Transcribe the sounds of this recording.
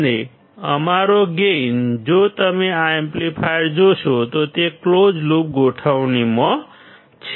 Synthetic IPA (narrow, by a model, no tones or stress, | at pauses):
d̪e | ʌmaɾoɡend͡zot̪ʌmiaemplipʰajɾd͡zosʰot̪ot̪eklod͡zlup̚ɡʱoʈʰawnimʌ | t͡sʰ